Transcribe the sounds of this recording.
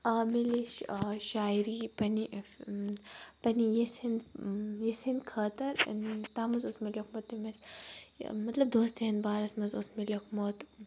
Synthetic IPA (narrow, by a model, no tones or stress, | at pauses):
aːmiliʃʃaːiɾipɐni | pɐnijesinjesinkʰɐt̪ɐɾ̰nt̪aːmɐzosmelokmot̪ːimɐs | mɐt̪lɐb̚d̪oːst̪eɐnbaːɾɐsmɐzosmelokmot̪